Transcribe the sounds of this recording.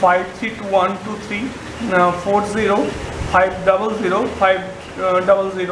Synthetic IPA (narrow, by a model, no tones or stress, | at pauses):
pʰajbt̪ʰɾiːʈuːʋɐnʈut̪ʰɾiː | pʰoːɾziɾoːpʰajbɖɐbəlziːɾopʰajb | ɖɐbəlziɾo